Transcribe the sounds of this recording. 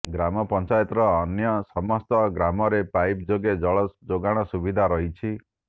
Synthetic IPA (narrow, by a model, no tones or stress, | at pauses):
ɡɾamɔpɔnt͡ʃajɔt̪ɾɔːnjɔsɔmɔst̪ɔɡɾamɔɾepajp̚d͡ʒoɡed͡ʒɔɭɔd͡ʒoɡaɽ̃ɔsubid̪ʱaɾɔɦit͡ʃʰi